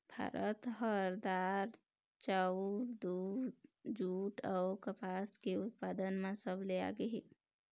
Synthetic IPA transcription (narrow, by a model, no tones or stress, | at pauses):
b̥ʱa̰ːɾʔət̪ɦəɾd̪aːɾ | t͡ʃaɾd̪uːɾd͡ʒuːʈɔːɾkəpaːskeʊt̪̚paːd̪ənmãsəbʱlea̰ɡəɦḛː